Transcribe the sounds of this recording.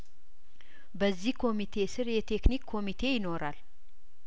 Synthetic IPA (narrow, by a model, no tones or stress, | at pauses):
bəzːihkʰo̞mit̪ʰe̞sɨɾjɛt̪ʰe̞knikʰːo̞mit̪ʰe̞jɪno̞ɾal